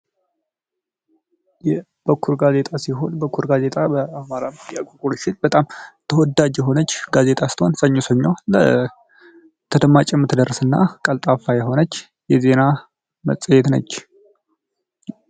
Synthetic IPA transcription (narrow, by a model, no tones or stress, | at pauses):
jɛ | b̥əkʰːuɾɡaze̞t̪ʼasiɦo̞nbəkʰːuɾɡaze̞t̪ʼabəamaɾamt̪iakʼokʼuɾʃɪnbət̪ʼamt̪ʰəwɔd̪ad͡ʒjɛɦo̞nət͡ʃːɡazet̪ʼast̪honsəɲːosəɲːawlə̰ | t̪ʰəd̪əmat͡ʃʼɛmːɨt̪ʰd̪ərːsɨnːa̰kʼəlt̪ʼafajɛɦo̞nət͡ʃː | jɛze̞na | mə̰sʼəjɛt̪nə̰t͡ʃː